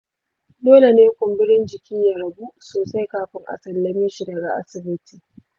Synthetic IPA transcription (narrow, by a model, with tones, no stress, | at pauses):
doː˦le˨neː˦kʷʊ˨mbɪ˦ɽɪ˦nd͡ʒɪ˨kʲʰi˦ja˨ɾɐ˨bu˦ʔsoː˨sa˦jkaː˨ɸɪ˦ŋʔa̰˨sɐ˨lːɐ˨mɪ˦ʃɪ˨ɾɐː˨ɡa˦ʔa̰˦sɪ˨bɪ˦tiː˨